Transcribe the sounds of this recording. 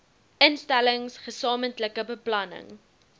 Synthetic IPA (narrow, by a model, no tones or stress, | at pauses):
ənstæləŋsχəsɑːməntləkəbəplɐnə̰ŋ